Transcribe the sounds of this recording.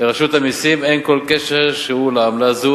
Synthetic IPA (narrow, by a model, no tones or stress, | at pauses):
leʁaʃut̪amisime̞nkolke̞ʃeʁʃeulaamlazu